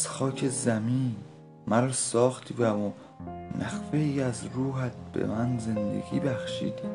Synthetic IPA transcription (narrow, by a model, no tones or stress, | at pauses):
z̥xɒːcʰezæmiːn | mæɾɒsɒːxt̪ʰivæo | mæxfeiæzɾuːɦæt̪̚ʰb̥ḛmænze̞nd̪ḛɡḭːbæxʃḭːd̪̥